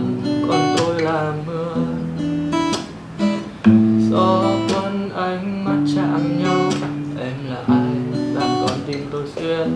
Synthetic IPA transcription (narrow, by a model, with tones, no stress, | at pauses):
kɔ˨˩nt̪o˧jlaː˨˩mɨ˧ə | sɔ˧k̪wə˧nʔa˧jŋ̟ma˨˩t̚t͡ɕaː˧˨ʔnɲa˧wʔɛ˧mlaː˨˩ʔa˧jzaː˧˩ŋkɔ˨˧nt̪i˧˩mt̪o˧jsi˧ə